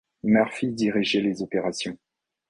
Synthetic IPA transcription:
mœʁfid̪iʁiʒɛlezɔpeʁasjɔ̃

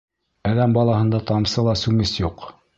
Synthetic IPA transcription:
æðæmbɑlˠɑhɤ̆nd̪ɑt̪ɑmsɤlˠɑsʉŋɘsjuq

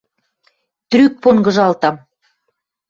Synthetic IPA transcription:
t̪ɾyk̚poŋɡɤ̆ʒɑlt̪ɑm

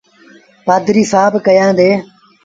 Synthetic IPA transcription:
paːd̪ɾiːsaːbkəjãːd̪eː

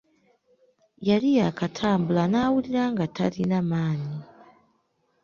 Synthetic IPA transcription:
jalijakatʰaːmbulanawuliɾaŋɡatʰa̰linamaːni

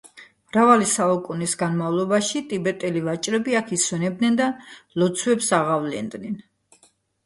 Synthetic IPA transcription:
mɾavalisaukʼunisɡanmavlˠɔbaʃit̪ʼibɛt̪ʼɛlivat͡ʃʼɾɛbiakʰiswɛnɛb̚d̪nɛnd̪alɔt̪sʰwɛpsaʁavlɛ̰nd̪nɛn

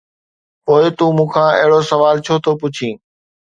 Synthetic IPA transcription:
poːɪt̪ũːmũːkʰãːɐ̰ɦɪɽosɐʋaːlt͡ɕʰot̪ʰoːpʊt͡ɕʰĩː

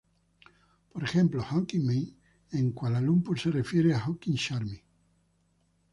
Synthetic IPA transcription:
poɾexẽ̞mplohoŋkiŋmej | eŋkwalalumpuserefjeɾeaxokiŋʃaɾmi

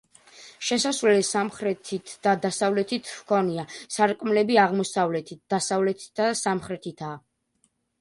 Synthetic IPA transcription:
ʃɛsasvɛlɛsamχɾɛt̪ʰit̪ʰd̪̥ad̪asavlɛt̪ʰit̪ʰwkʰɔniasaɾkʼmlɛbiaʁmɔsavlɛt̪ʰit̪̚d̪̥asavlɛt̪ʰid̪asamχɾɛt̪ʰit̪ʰaː

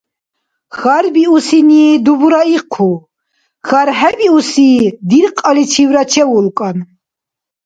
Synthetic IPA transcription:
xaɾbiusiniːd̪ubuɾaiqʰu | xaɾɦɛbiusiːd̪iɾqʼalit͡ʃʰivɾat͡ʃʰɛwulkʼan

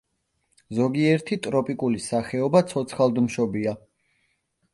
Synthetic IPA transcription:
zɔɡiɛɾt̪ʰit̪ʼɾɔpʼikʼulisaχɛɔbat̪sʰɔt̪sʰχalˠd̪mʃɔbia

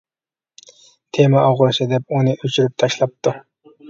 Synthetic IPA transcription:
t̪ʰemɛʔɑʁʊɾsɨd̪ɛpunɨʔøt͡ʃʰyɾyp̚t̪ʰɑʃlˠɑp̚t̪ʰu

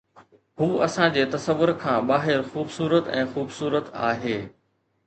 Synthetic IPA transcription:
huːɐsãd͡ʑeːt̪ɐsəʋːʊɾkʰãːɓaːɦɪɾxuːbsuːɾət̪ɛ̰̃ːxuːbsuːɾət̪a̰ːɦeː

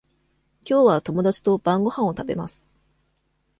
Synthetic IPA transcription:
kʲo̞ːβat̪o̞mo̞d̪at͡ɕi̥t̪o̞b̥ãŋɡo̞hãɰ̃ot̪abe̞̰masɨ̥

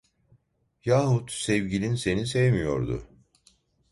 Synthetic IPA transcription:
jaːɦut̪sɛvɟilʲinse̞nisɛvmijo̞̰ɾd̪ʊ̰

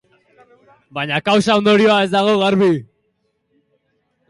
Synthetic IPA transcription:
baɲakawsaond̪oɾioae̞zd̪aɣoɣaɾβi

